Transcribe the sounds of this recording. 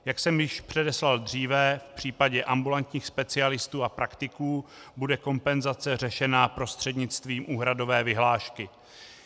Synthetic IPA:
jaksɛmjɪʃpr̝̥ɛdɛslald̪r̝iːvɛfpr̝̥iːpaɟɛʔambulant̪ɲiːxspɛt͡sɪalɪst̪uːapɾakt̪ɪkuːbudɛko̞mpɛnzat͡sɛr̝ɛʃɛnaːpɾo̞st̪r̝̥ɛdɲɪt͡st̪viːmʔuːɦɾado̞vɛːvɪɦlaːʃkɪ

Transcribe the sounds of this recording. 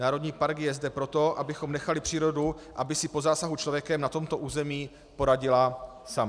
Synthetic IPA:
naːɾo̞dɲiːpaɾkjɛzdɛpɾo̞t̪o̞ʔabɪxo̞mnɛxalɪpr̥iːɾo̞du | ʔabɪsɪpo̞zaːsaɦut͡ʃlo̞vjɛkɛmnat̪o̞mt̪o̞ʔuːzɛmiː | po̞ɾaɟɪla | sam

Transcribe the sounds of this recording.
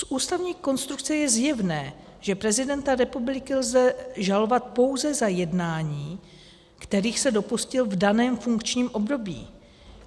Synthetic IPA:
sʔuːst̪avɲiːko̞nst̪ɾukt͡sɛjɛzjɛvnɛː | ʒ̥ɛpɾɛzɪdɛnt̪aɾɛpublɪkɪlzɛʒalo̞vat̪̚po̞wzɛzajɛdnaːɲiː | kt̪ɛɾiːxsɛdo̞puscɪlvdanɛːmfuŋkt͡ʃɲiːmʔo̞bdo̞bḭː

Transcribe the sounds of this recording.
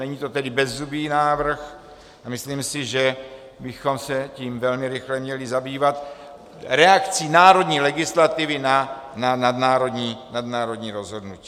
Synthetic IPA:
nɛɲiːt̪ot̪ɛdɪbɛzːubiːnaːvr̩x | amɪsliːmsɪʒɛ | bɪxo̞msɛciːmvɛlmɪɾɪxlɛmɲɛlɪzabiːvat̪ | ɾɛakt͡siːnaːɾo̞d̪ɲiːlɛɡɪslat̪ɪvɪnananad̪naːɾodɲiːnadnaːɾod̪ɲiːɾozɦo̞dnuci̥ː

